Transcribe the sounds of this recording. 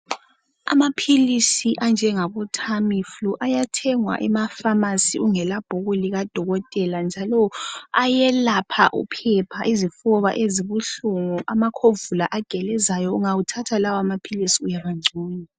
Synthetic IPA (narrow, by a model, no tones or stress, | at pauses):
a̰mapʰilisiʔand͡ʒʱɛŋaβɔtʰamifluʔajatʰɛŋwa̰ʔɛmafamasiuŋɛlab̥ʱoɣuliɣad̥ʱɔɣɔtʼɛland͡ʒʱalɔajɛlapʰaʔṵpʰɛpʰaʔizifɔβa̰ʔeziβuɬuŋuʔamakʰovulaʔaɡ̥ʱɛlɛzajɔuŋawutʰatʰalawamapʰilisiujaβaŋ͡ǀʱuːni